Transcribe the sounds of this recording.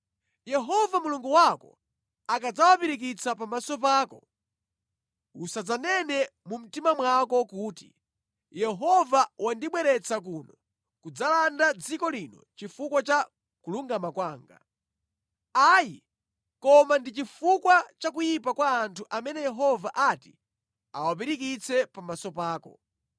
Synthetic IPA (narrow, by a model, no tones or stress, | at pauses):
jɛɦɔvamuluŋɡuwakɔ̰ | akad͡zawapiɾik̬it͡sʰapamasɔpaːkɔ | usad͡zanɛnɛmum̩timamwakɔkuːtḭ | jɛɦɔvawandiɓwɛɾɛt͡sak̬unɔ | kud͡zalandad͡zikɔlinɔ̰t͡ʃifukwat͡ʃa | kuluŋɡamakwaːŋɡa̰ | aːji | kɔmandit͡ʃifukwat͡ʃakujip̬akwaːntʰuʔamɛnɛjɛɦɔvaʔati̥ | a̰wap̬iɾik̬it͡sʰɛpamasɔpaːkɔ̰